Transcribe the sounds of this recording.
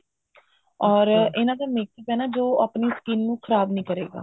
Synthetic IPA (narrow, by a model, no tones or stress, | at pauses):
ɔːɾɪnãːd̪aːmeːkːipɛːnaːd͡ʒoːəpniːskɪːnːũːkʰəɾaːbnĩːkəɾeːɡa̰ː